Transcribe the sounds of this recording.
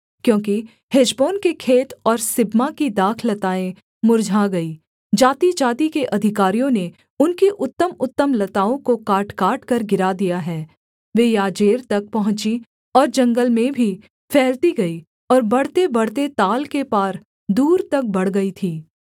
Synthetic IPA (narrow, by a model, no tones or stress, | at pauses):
kjõːki | hed͡ʒboːnkekʰeːt̪ɔːɾsɪbmakid̪aːkʰlɐt̪aːẽ | mʊɾd͡ʒʱaɡɐiː | d͡ʒaːt̪id͡ʒaːt̪ikeʔɐd̪ʱɪkaːɾijõne | ʊnkeʔʊt̪ːəmʊt̪ːəmlɐt̪aːõkokaːʈkaːʈkɐɾɡɪɾad̪ijaɦɛː | ʋeːjaːd͡ʒeːɾt̪ɐk̚pɐɦʊ̃t͡ʃi | ɔːɾd͡ʒɐ̃ŋɡəlmẽbʱi | fʰɛːlt̪iɡɐi | ɔːɾbɐɽ̤t̪ebɐɽ̤t̪et̪aːlkepaːɾ | d̪uːɾt̪ɐk̚bɐɽ̤ɡɐit̪ʰiː